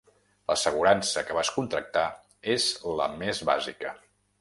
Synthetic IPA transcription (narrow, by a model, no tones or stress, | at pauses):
ləsəɣ̞uɾansəkəβaskunt̪ɾək̚t̪a | ezlə̰mezβa̰zikə